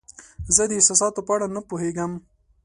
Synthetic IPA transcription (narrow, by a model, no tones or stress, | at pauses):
zəd̪əɪsɑsɑt̪opəaɽanapoɦeɡam